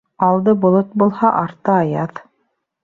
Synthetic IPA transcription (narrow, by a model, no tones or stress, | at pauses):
ɑlˠd̪ɤbŏlˠot̪̚bulˠhɑʔɑɾt̪ɤɑjɑð